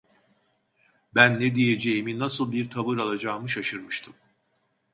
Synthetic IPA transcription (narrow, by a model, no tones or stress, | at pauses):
bænːɛd̪ijed͡ʒejiminasɯlˠbiɾt̪ʰaβɯɾalˠad͡ʒaːmɯʃaʃɯɾmɯʃt̪ʰɯm